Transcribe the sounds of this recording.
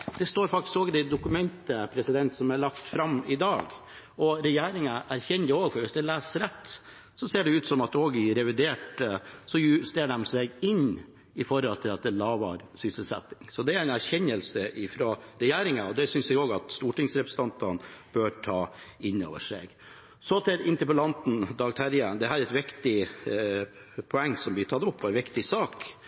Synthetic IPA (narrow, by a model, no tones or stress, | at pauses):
d̪̥ɛst̪oːɾfɑk̚t̪ɪskoːɡəd̪ɛɪd̪ʊkʉmɛnt̪əpʰɾɛsɪd̪ɛnt̪sɔmæɭɑkt̪fɾɑmɪd̪ɑːɡ | ɔɾɛjæːɾɪŋɑʔæɾçɛnoːɡfɔɾʋɪsd̪ɛlæːsɾɛt̪ː | sɔseːɖɛʉːt̪sɔmɑt̪oːɡɪɾɛʋɪd̪eːʈsɔjʉːst̪eːɖɛmsɛɡɪn | ɪfɔɾɔlt̪ʰɪlɑt̪̚d̪ɛlɑːʋɑ̰ɾsʏsəlsɛ̰t̪ɪ̥ŋsɔd̪ɛæɾɛnæɾçɛɲːəlsəʔɪfɾoɾɛjæːɾɪŋɑɔd̪ɛsʏnsɛɡoːɡɑt̪st̪uːʈɪŋsɾɛpɾəsə̥ɑnt̪ɑnb̥øɾʈʰɑːɪnːo̰ːʋəʂɛ̰ɡ | sɔt̪ʰɪlɪnt̪əpəlɑnt̪n̩d̪ɑːɡ̚t̪ʰæɾjənd̪ɛɦæːɾɛt̪ʋɪkt̪ɪ | pʰɔɛŋːsɔmblɪt̪ʰɑt̪ːʊpːɔɛnʋɪkt̪ɪsɑːk